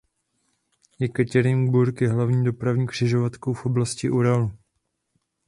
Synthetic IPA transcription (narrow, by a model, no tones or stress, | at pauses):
jɛkɛcɛɾɪŋbuɾkjɛɦlavɲiːdo̞pɾavɲiːkr̥ɪʒo̞vat̪kowfʔo̞blascɪʔuɾalu